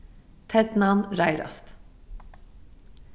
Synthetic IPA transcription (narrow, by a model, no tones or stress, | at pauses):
t̪ʰɛd̪nɑnɾæɪɾɑ̰st̪